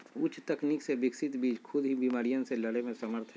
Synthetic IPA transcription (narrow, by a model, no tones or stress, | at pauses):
ʊt͡ʃʰt̪ɐkniksebɪksɪt̪biːd͡ʒkʰʊd̪ɦibimaːɾijãseləɽemẽsəməɾt̪ʰɦɛ